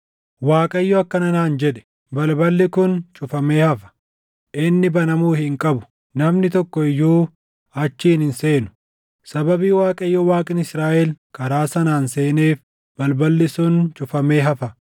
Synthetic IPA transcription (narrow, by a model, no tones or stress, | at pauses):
waːkʼɐɪjːɔɐkːɐnɐnaːnd͡ʒɛᶑɛ̥ | bɐlbɐlːɪkʊnt͡ʃʼʊfɐme̞ːhɐfɐ̥ | ʔɪnːɪbɐnɐmuːhɪŋkʼɐbʊ̥ | nɐmnɪt̪ɔkːɔɪjːuː | ɐt͡ʃːiːnhɪnseːnʊ̥ | sɐbɐbiːwaːkʼɐɪjːɔwaːkʼɪnɪsɾaːʔɛlkɐɾaːsɐnaːnse̞ːneːf | b̥ɐlbɐlːɪsʊnt͡ʃʼʊfɐme̞ːɦɐfɐ